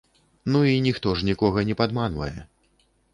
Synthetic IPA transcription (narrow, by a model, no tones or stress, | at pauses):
nuinʲixt̪ɔʐnʲikɔɣɐnʲɛpad̪manvɐ̰jɛ̰